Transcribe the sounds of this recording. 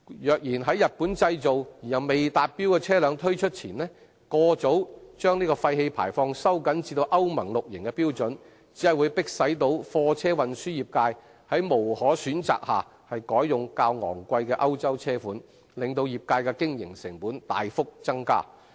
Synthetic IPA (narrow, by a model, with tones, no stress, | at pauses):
jœː˨˩k̚jiː˨˩nɦɐ˨˥jːɐ˨t̚puː˨˥nt͡sɐ˧jt͡so˨wjiː˨˩jɐ˨wme˨jt̪aː˨t̚piː˥wkɛː˧t͡sʰɛː˥lœː˨˧ŋt̪ʰɵ˥ɥt͡ʃʰɵ˥t̚t͡sʰiː˨˩nlɛː˥ | kɔː˧t͡so˨˥wt͡ʃœː˥ŋniː˥kɔː˧fɐ˧jhe˧jpʰa̰ː˨˩jfɔː˧ŋsɐ˥wkɐ˨˥nt͡siː˧t̪o˧wʔɐ˥wmɐ˨˩ŋlʊ˨k̚jɪ˨˩ŋkɛː˧piː˥wt͡sɵ˨˥n | t͡siː˨˥hɐ˨jwu˨˧jpɪ˥k̚sɐ˨˥jt̪o˨˧˥wfɔː˧t͡sʰɛː˥wɐ˨nsyː˥jiː˨˩p̚kaː˧j | hɐ˨˥jmo˨˩whɔː˨˥syː˨˥nt͡sa̰ː˨k̚haː˨˩ | hɐ˨jkɔː˨˥jjʊ˨ŋkaː˧wŋɔ̰ː˨˩ŋkʷɐ˧jkɛː˧ʔɐ˥wt͡sɐ˥wt͡sʰɛː˥fuː˨˥n | lɪ˨ŋt̪o˧wjiː˨p̚kaː˧jkɛː˧kɪ˥ŋjɪ˨˩ŋsɪ˨˩ŋpuː˨˥nt̪a̰ː˨jfʊ˥k̚t͡sɐ˥ŋka̰ː˥